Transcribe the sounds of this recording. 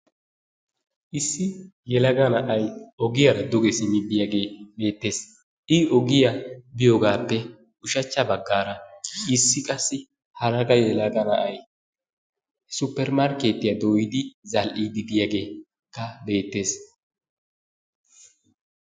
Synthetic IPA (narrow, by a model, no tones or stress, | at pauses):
ʔɪsːɪjɛlɐɡɐnɐʔɐjɔɡɪjɐɾɐd̪ʊɡɛsɪnɪbɪjaɡe̞ːbe̞ːt̪ːe̞ːs | ʔɪɔɡɪjɐbɪjoːɡaːpːɛ | ʊʃɐt͡ʃːɐbɐɡːaːɾɐɪsːɪkʼɐsːɪ | hɐɾɐɡɐjɛlɐɡɐnɐʔɐj | sʊpːɛɾmaɾke̞ːt̪ːɪjɐd̪oːjɪd̪ɪzɐlʔiːd̪ɪbɪjaɡe̞ː | kːɐbe̞ːt̪ːe̞ːs